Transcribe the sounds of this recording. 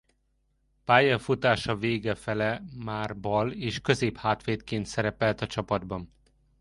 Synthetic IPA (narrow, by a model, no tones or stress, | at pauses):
paːjɒfut̪aːʃɒveːɡɛfɛlɛmaːrbɒleːʃkø̞zeːphaːt̪ʋeːt̪keːnt̪sɛɾɛpɛlt̪ɒt͡ʃɒpɒd̪bɒn